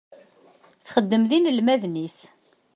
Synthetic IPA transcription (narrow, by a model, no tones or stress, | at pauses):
θχəd̪ːəmðinəlmæðnis